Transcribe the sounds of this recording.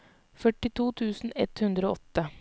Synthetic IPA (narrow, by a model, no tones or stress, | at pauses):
fœʈɪt̪ʰuːt̪ʰʉːsn̩ɛt̪hʉnd̪ɾəoːɔt̪ːə